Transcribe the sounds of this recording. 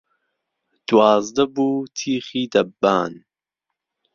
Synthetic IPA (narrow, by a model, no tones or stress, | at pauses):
d̪̥waːzd̪ɐbuːt̪ʰiːχiːd̪ɐbːa̰ːn